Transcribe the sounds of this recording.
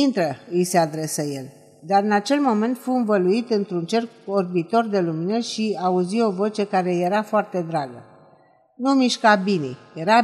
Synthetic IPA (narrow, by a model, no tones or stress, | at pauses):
int̪ɾəɨjse̞ad̪ɾe̞səje̞l | d̪aɾɨnat͡ʃe̞lmo̞me̞nt̪fuɨnvəluit̪ɨnt̪ɾunt͡ʃe̞rorbit̪o̞rd̪e̞luminəʃiauzio̞vo̞t͡ʃe̞kaɾe̞je̞ɾafoart̪e̞d̪ɾaɡə | numiʃkabinḭjeɾa